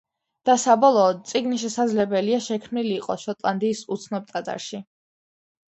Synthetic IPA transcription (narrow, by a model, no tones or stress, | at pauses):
d̪̥asabɔlˠɔːd̪̚t̪sʼiɡniʃ̬ɛsad̪zlɛbɛliaʃɛkʰmniliːqʼɔ̰ʃɔt̪ʼlˠand̪iːsut̪sʰnɔb̚t̪ʼat̪ʼa̰ɾʃi